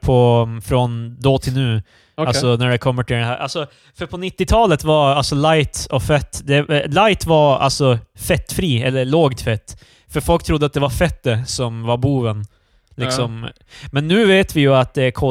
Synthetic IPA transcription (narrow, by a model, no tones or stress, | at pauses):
pʰɔfɾɔnd̪ɔt̪ʰɪlnʉ̟ː | alssɔnæɖɛkʰɔmːəʈɪld̪ɛhæːɾʔa̰lsɔ | fœɾpʰɔnɪt̪ːɪt̪ʰɑːlət̪vaɾalsɔlajt̪ɔfɛt̪ːd̪ɛlajt̪vaɾa̰lsɔfɛt̪ːfɾiːɛlːəɭoːɡt̪fɛt̪ː | fœɾfɔlkt̪ʰɾʊd̪ːəat̪̚d̪ɛvaɾfɛt̪̚d̪ɛsɔmvaɾbuːvən | lɪksɔm | mɛnːʉ̟ːveːt̪vɪjɵat̪̚d̪ɛæɾkʰɔ